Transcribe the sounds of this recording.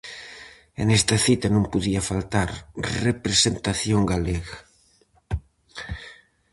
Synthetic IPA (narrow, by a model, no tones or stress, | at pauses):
ḛnest̪aθit̪anõmpuðiafalt̪aɾrepɾesent̪aθjoŋɡaleɣa